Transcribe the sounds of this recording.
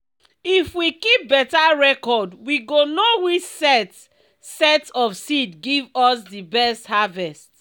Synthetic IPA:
ifwikip̚bɛtaɹɛkɔdwiɡonowit͡ʃsɛt | sɛtsɔfsidɡivɔsdibɛsthavɛst

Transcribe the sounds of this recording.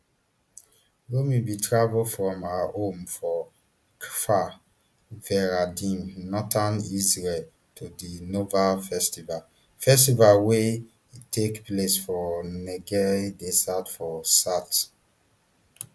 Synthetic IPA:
womibitʰɹavulfɹɔ̃maõmfɔ | kʰfa | vɛɹadĩmnɔtanizɹɛl | tudinovafɛstival | fɛstivalwe | itʰekplesfɔneɡɛɹidesatfɔsat

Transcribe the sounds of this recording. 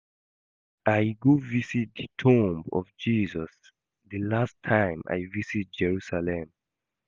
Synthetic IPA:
ʔajɡuvisit̚d̪ətʰũmbɔ̰fd͡ʒiːzɔs | dəlastʰãɪ̃ma̰jvisit̚d͡ʒɛɹusalɛ̃m

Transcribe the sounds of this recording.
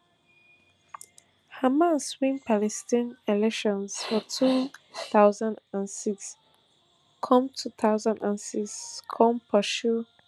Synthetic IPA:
hamãnswĩnpʰalɛstĩnilɛkʃɔ̃nsfɔtʰuθaʊzãndãnsiks | kʰɔ̃mtʰuθaʊzãndãnsiskʰɔ̃mpʰəʃu

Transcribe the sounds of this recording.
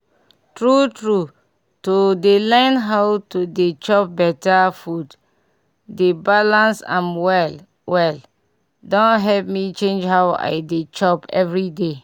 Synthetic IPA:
tɹutɹu | todelãɪ̃nɦawtodet͡ʃɔp̚bɛtafud | debalãnsã̰mwɛl | wɛl | dɔ̃nɦɛlp̚mit͡ʃẽnd͡ʒhawa̰ɪdet͡ʃɔpɛ̰vɹide

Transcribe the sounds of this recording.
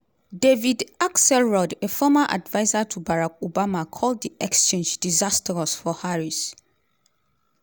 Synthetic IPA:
devidaksɛlɹɔdefɔmaʔa̰dvaɪzatʰubaɹak̚obamakʰɔld̚diɛkst͡ʃʰẽnd͡ʒdizastʰɹɔsfɔhaɹis

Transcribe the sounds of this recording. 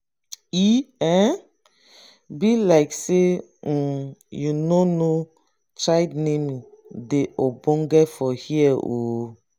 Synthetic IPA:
iɛ̃ | bilaɪkse | junono | t͡ʃaɪdnemi | deʔobɔ̃ŋɡɛfɔhiɛo

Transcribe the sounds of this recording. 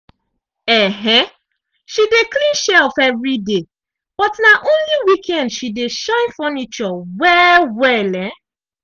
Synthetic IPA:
ɛɦɛ̃ | ʃideklĩnʃɛfɛvɹide | b̥ɔtnaʔõnliwikʰɛ̃ndʃideʃãɪ̃nfɔnit͡ʃɔwɛwɛlɛ̃

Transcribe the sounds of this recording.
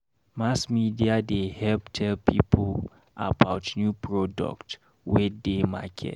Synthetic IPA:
masmidiadehɛlptʰɛlpʰḭpʰo | ʔa̰baʊtnjupɹɔdɔ̰kt | wedema̰kʰɛ̰t

